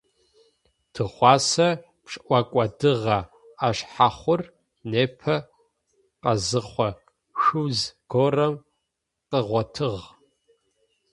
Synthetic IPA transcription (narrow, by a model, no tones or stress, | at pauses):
d̥ʰɨχʷɑːsɐ | pʂʔʷɑkʷʼɐdɨʁɐ | aʃħaχʷʊr | neːpʰɐ | qɐzɨχʷɐ | xɨwzɡ̥oːrɐm | qəʁʷɔtʰɨʁ